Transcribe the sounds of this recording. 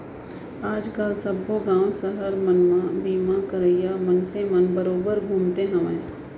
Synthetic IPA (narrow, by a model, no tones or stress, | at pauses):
aːd͡ʒkəlsɐboɡãːwsəɦəɾmənmãbiːmãkəɾəijamənsemənbɐɾoːbəɾɡʱuːmt̪eɦə̃ʋẽː